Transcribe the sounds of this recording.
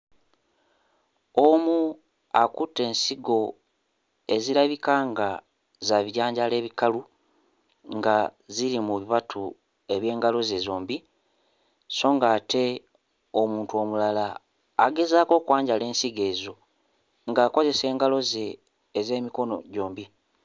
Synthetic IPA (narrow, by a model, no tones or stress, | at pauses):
omu | akutːe̞ːnsiɡo̞ | e̞ziɾaβikaːŋɡa | zaβiɟaːɲɟale̞ːβikalu | ŋɡaziɾimuβiβatʰu | e̞βje̞ːŋɡalo̞ze̞zo̞ːmbi | so̞ːŋɡaːtʰe̞ | o̞muːntuo̞mulalaː | ɡe̞zaːko̞ːkwaːɲɟale̞ːnsiɡe̞ːzo̞ | ŋɡaːko̞ze̞se̞ːŋɡalo̞ze̞ː | ze̞ːmiko̞no̞̰ɟo̞ːmbi